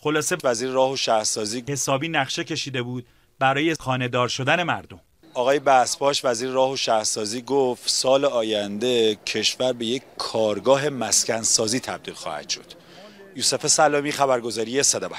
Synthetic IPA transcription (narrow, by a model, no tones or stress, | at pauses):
xo̞lɒːse̞væziːɾeɾɒːhoʃæhɾsɒːziːhe̞sɒːbiːnæχʃe̞cʰe̞ʃiːd̪e̞buːd̪̥̚ | bæɾɒːjexɒːne̞d̪ɒːɾʃo̞d̪æne̞mæɾd̪o̞m | ɒːɣɒːjebæspɒːʃvæziːɾeɾɒːhoʃæhɾsɒːziːɡoft̪sɒːleɒːjænd̪e̞cʰe̞ʃvæɾbe̞jeckʰːɒːɾɡɒːɦe̞mæscænsɒːziːt̪ʰæb̚d̪iːlxɒ̰ːhæ̰d̪̥ʃo̞d̪̥ | juːse̞fesælːɒːmiːxæβæɾɡo̞zɒːɾijesed̪ɒbæ